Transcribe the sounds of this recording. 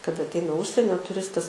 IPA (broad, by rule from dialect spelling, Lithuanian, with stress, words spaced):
kɐˈdɐ ɐtʲˈɛɪnɐ ˈʊʃʲsʲiɛnʲoː tʊˈrʲɪstɐs